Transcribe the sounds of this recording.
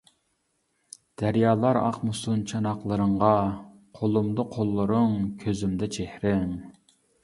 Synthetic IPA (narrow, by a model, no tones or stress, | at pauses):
d̪̥æɾjɑːlˠɑɾɑ̰qmʊsunt͡ʃʰɑnɑqlˠəɾəɴʁɑ | qʰolˠumd̪əqʰolˠːʊɾɨŋkʲʰøzymd̪ɛt͡ʃʰehɾɪŋ